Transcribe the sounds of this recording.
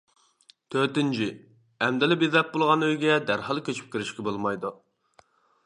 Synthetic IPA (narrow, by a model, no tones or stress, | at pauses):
t̪ʰøɾt̪ɪnt͡ʃʰi | ɛmd̪ɪlɪbɪzlɛp̚bolˠʁɑnøjɡʲɛd̪æɾhɑlˠkʲʰøt͡ʃʰy̥p̚kʲiɾɪʃkʲɛbolˠmɑjd̪u